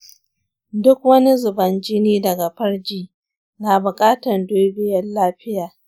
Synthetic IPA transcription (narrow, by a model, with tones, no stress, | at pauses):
dʊ˦kwɐ˦ni˦zʊ˨bɐ˨nd͡ʒi˦niː˦dɐ˨ɡa˨ɸɐ˦rd͡ʒiː˦ | naː˨bʊ˨kʼaː˦tɐ˨ndoː˦bɪ˨jɐ˦nlaː˦ɸɪ˦jaː˨